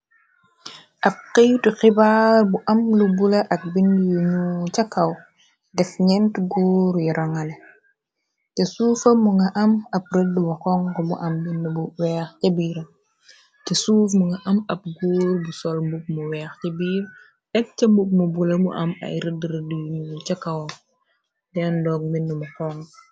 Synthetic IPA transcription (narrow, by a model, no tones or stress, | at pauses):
ʔɐp̚qijtuxibaːrbuʔɐmlubulɐʔɐk̚binːjuɲucɐkːɐw | dɛfɲɛntɡoːɾjuɾʔɐŋɐlɛ | tɛsuːfɐmuŋɡɐʔɐmɐp̚rədːbɐxɔŋkɔmṵʔɐmbinːbuwɛːxcɐbiːɾɐ | cɐsuːfmuŋɡɐʔɐmɐp̚ɡoːɾbusɔlmbuk̚muwɛːxcɐbiːɾ | dɛk̚t͡ʃɐmbuk̚mubulɐmṵʔɐmɐ̰jɾədɾədujuɲut͡ʃɐkːɐw | dɛndɔːk̚minːumɐkɔŋ